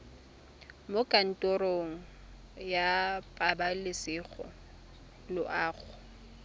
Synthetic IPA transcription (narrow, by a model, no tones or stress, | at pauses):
mokʼan̩tʼɔɾoŋ̩ | japʼabalɪsɪɣɔ̰ | lʊʔaːɣʊ